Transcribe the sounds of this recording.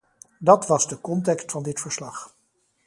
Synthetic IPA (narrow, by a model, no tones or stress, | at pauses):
dɑtʋɑzdəkɔntɛkstfɑndɪtfəɹslɑχ